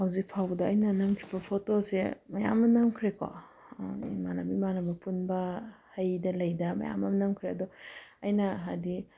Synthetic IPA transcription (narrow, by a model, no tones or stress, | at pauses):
hɐwzik̚pʰawdɐːjnɐnɐmkʰi̥bɐpʰotosemɐja̰mːɐnɐmkʰɾeko̰ | manɐbimanɐbɐpunbɐhɐjdɐlɐjdɐmɐ̰ja̰mːɐmnɐmkʰɾeɐdɔɐjnɐɦadi